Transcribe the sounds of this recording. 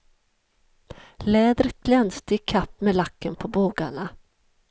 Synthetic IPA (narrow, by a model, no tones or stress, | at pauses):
lɛːd̪ɾət̪̚ɡ̥lɛnst̪əɪkʰapːmelakːənpʰɔboːɡaɳa